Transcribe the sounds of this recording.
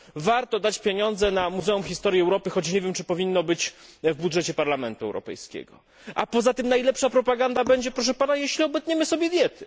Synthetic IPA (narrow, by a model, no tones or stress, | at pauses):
vaɾt̪ɔd̪at͡ɕpʲjeɲɔnd̪zɛnamuzɛumxʲist̪ɔɾjiɛwɾɔpɘxɔt͡ɕɲevʲjɛmt͡ʂɘpɔvʲinːɔbɘt͡ɕvbudʐɛt͡ɕɛpaɾlamɛnt̪uɛ̰wɾɔ̰pɛ̰jskʲɛ̰ɡɔ̰ | ʔa̰pɔzat̪ɘmnajlɛpʂapɾɔpaɡand̪abɛɲd͡ʑɛpɾɔʂ̬ɛpanajeɕlʲiɔbɛt̪ɲɛmɘsɔbʲjɛd̪ʲjɛt̪ɘ